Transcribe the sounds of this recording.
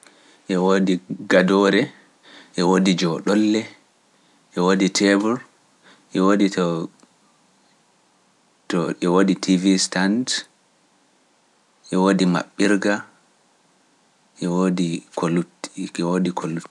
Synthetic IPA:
ʔɛwodiɡadɔɾɛ | ʔɛwodid͡ʒɔɗɔlːɛ | ʔɛwoditʰɛbuɾ | ʔɛwoditɔ | tɔɛwoditʰivistand | ʔɛwoːdima̰ɓːiɾɡa | ʔɛwodikʰoluɛwodikʰolu

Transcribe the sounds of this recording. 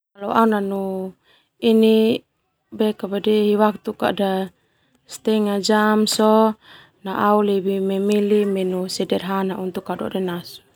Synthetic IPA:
alɔaunanu | ini | bɛkabadɛɦiwak̚t̪uka̰da | st̪ɛŋad͡ʒamsɔ | naʔaulɛbimɛmilimɛnusɛdɛrɦanaunt̪ukːadɔ̰dɛnas

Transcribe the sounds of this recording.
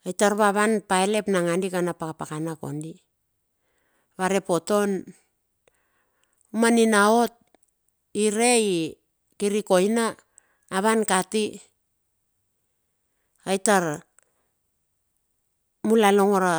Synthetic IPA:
ajtaɾβaβanpaele̞pnaŋandikanapakapakanako̞̰ndi | βaɾe̞po̞to̞n | umaninao̞t̚ | iɾe̞i | kiɾiko̞jnaː | βankati | ajtaɾ | mulaloŋoɾa

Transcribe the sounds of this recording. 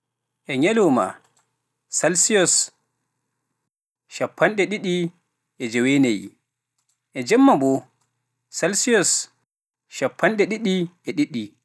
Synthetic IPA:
ʔɛɲalɔma̰ | salsijɔs | ʃapʰːanɗɛɗiɗi | ʔɛd͡ʒɛwenajḭ | ʔɛd͡ʒɛmːabɔ | salsijɔs | ʃapʰːanɗɛɗiɗiʔɛɗiɗːi

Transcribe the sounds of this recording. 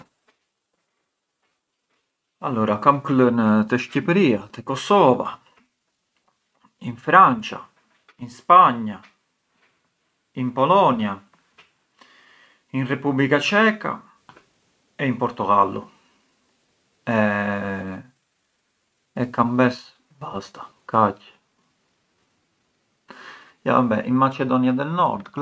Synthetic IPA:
alːuːɾakamklənt̪əʃcipɾiːat̪əkɔsɔva̰ | iɱfɾant͡ʃa̰ | inspaɲːa | impɔlɔnja | inrepublikat͡ʃɛːka̰ | ɛimpɔɾt̪uɣalːṵ | ɛ | ɛkːambɛs | bast̪ḁkat͡ʃː | ja̰bɛ̰ʔḭmːat͡ʃɛd̪ɔnjad̪ɛlnɔ̰ɾd̪k

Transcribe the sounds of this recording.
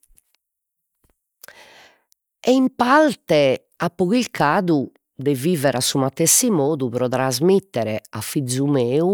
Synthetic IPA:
ɛimpalt̪ɛ | apːuɣilkʰaːðu | d̪ɛviːvɛɾʔasumat̪ːɛsimɔːðuβɾɔðɾazmit̪ːɛɾɛafːid̪zːumeːu

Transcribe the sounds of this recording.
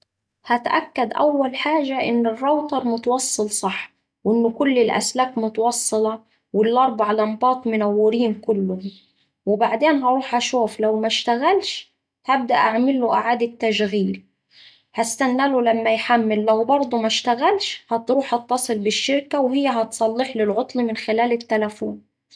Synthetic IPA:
hat̪ʔakːad̪ʔawːalħaːʒaʔɪnːɪrˤːɑwt̪ˤɑɾˤmʊt̪ɑwɑsˤːɨlsˤɑħ | wʔɪnːʊkʊlːɪlʔa̰slaːkmʊt̪ɑwɑsˤːɨlɑ | wɪlːɑɾˤbʕalambɑːt̪ˤmʊnawːɪɾiːmkʊlːʊ | wɪbaʕd̪eːnɦɑɾˤuːħʔaʃuːflawmaʃt̪aɣalʃ | hab̚d̪aʔaʕmɪlːʊʔaʕaːd̪ɪt̪ːaʃɣiːl | hast̪anːælʊlamːajħamːɪlːawbɑɾˤd̪ˤʊmaʃt̪aɣalʃhɑt̪ɾuːħhɑt̪ːɑsˤɨlbɪʃːɪɾkawhɪjːaɦɑt̪sˤɑlːɪħlɪlʕʊt̪ˤlimɪnxɪlæːlɪt̪ːalafuːn

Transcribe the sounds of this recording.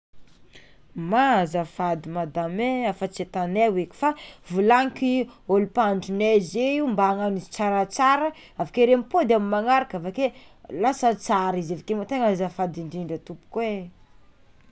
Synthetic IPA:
mazafad̪imad̪ameafət͡set̪anewekʲi̥favulaŋkiolupaɳɖ͡ʐunezeimbaŋanizi̥t͡saɾat͡saɾə | avakeɾempod̪eamimaŋaɾakavake | lasət͡saɾizevakemat̪eŋazafad̪iɳɖ͡ʐiɳɖ͡ʐət̪upu̥kwe

